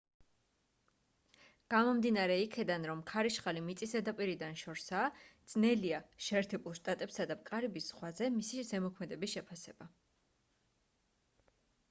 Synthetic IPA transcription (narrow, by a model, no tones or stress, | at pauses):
ɡ̥amɔmd̪inaɾɛikʰɛd̪anɾɔmkʰaɾiʃχalimit̪sʼisɛd̪apʼiɾid̪anʃɔɾsaːd̪z̥nɛliaʃɛːɾt̪ʰɛbulˠʃt̪ʼat̪ʼɛpsad̪apʼkʼaɾibisːχwazɛmisiʒɛmɔkʰmɛd̪ɛbisʃɛpʰasɛba